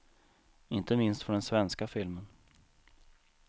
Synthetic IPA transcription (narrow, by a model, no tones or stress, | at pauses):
ɪnt̪əmɪnst̪fɔɖ̪ɛnsvɛnskafɪlmən